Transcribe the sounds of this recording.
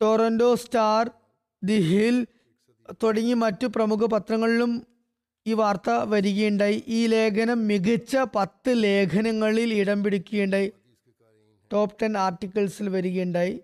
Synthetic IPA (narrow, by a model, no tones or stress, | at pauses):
ʈoːɾɐndo̞ːstaːr | d̪iɦil | t̪oɽɐŋːimɐtːuprɐmukʰɐpɐt̪rɐŋːɐɭilum | iːʋaːrt̪ɐʋɐɾiɣeɳɖɐjiʔiːle̞ːkʰɐnɐmːiɡit͡ɕːɐpɐt̪ːɨle̞ːkʰɐnɐŋːɐɭiliɽɐmbiɽikʲːuɣeɳɖɐji | ʈo̞ːp̚ʈɐnaːrʈːikʲːɐlsilʋɐɾuɣeːɳɖaːji